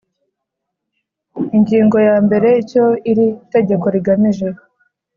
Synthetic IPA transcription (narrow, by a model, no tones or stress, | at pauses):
iɲɟiːŋɡo̞jaːmbe̞ɾe̞ico̞iɾite̞ɟe̞ko̞ɾiɡamiʒeho